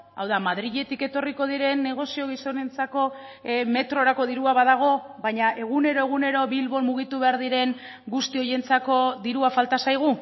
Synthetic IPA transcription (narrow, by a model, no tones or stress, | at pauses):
a̰wðamaðɾiʎe̞t̪ike̞t̪o̞riko̞ðiɾe̞nːe̞ɣ̞o̞sio̞ɣ̞iso̞ne̞nt͡sako̞ | me̞t̪ɾo̞ɾako̞ðiɾuaβaðaɣ̞o̞ | βaɲaʔe̞ɣ̞une̞ɾo̞e̞ɣ̞une̞ɾo̞βilβo̞lmuɣ̞it̪uβe̞aɾðiɾe̞ŋ | ɡust̪io̞je̞nt͡sako̞ðiɾuafalt̪asajɣ̞u